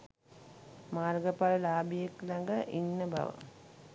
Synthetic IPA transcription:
maːrɡɐpalɐlaːbijeklɐŋɡaʔinːəba̰ʋə̰

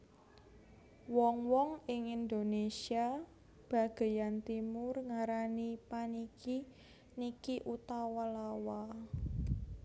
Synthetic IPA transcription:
wɔŋwɔŋɪŋind̪onesia | b̥a̤ɡ̥e̤jant̪imʊrŋaɾanipanikʰi | nikiʔut̪awalawa

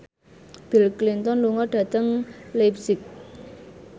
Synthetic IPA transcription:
b̥ilklint̪ɔnluŋɔɖ̥ä̤t̪əŋlepsɪk̚

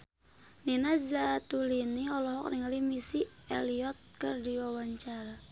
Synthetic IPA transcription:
ninazat̪uliniɔlɔɦɔk̚niŋalimisieliɔt̪̚kərdiwawaɲt͡ʃaɾa

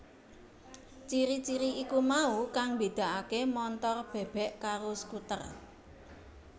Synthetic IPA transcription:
t͡ʃiɾit͡ʃiɾiikumaukaŋbed̪̥a̤ʔakemɔnt̪ɔrb̥ɛ̤b̥ɛ̤ʔkaɾosə̥kut̪ə̰r

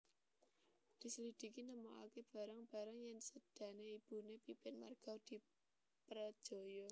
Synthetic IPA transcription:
d̪̥i̤səlid̪̥i̤kinəmoʔa̰keb̥a̤ɾaŋb̥a̤ɾaŋjɪŋsəd̥ä̤neib̥ṳnepipɪnma̰rɡ̥a̤wd̪̥i̤ | pɾəd̥ʒ̥o̤jɔ

